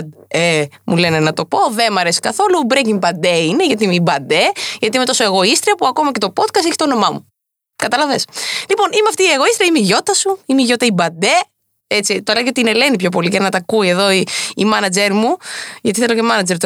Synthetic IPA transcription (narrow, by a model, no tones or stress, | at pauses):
d̪emulenenɐt̪o̞po̞ðemɐɾesi̥kɐθo̞lubɾecimbɐnd̪eineʝɐt̪iimeibɐnd̪eʝɐt̪iime̞t̪o̞so̞eɣo̞ist̪ɾiɐpuɐko̞mɐce̞t̪o̞po̞t̪kɐsteçi̥t̪ono̞mɐmu | kɐt̪ɐlɐveslipo̞nimeɐft̪iːe̞ɣoist̪ɾiɐimeiʝo̞t̪ɐsuimeiʝo̞t̪ɐibɐd̪e | et͡sit̪oleʝio̞t̪inelenipçop̬o̞liʝɐnɐt̪ɐkuie̞ðo̞iimɐnɐd͡zeɾmuʝɐt̪iθelo̞ce̞mɐnɐd͡ʒeɾt̪